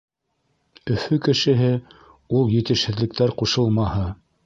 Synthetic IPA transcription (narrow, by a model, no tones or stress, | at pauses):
ɵ̆fɵkɘ̆ʃɘ̆ɦɘ | ulˠjɘ̆t̪ɘ̆ʃhɘ̆ðlɘ̆k̚t̪æɾquʃɤlˠmɑhɤ